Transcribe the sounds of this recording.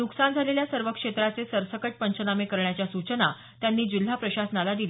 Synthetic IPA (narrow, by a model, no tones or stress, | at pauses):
nuksand͡zʱaleljasəɾʋəkʂet̪ɾat͡sesəɾsəkəʈ̚pəɲt͡ɕənamekəɾɳjat͡ɕjasut͡ɕəna | t̪janːiːd͡ʑil̤apɾəɕasənalad̪ile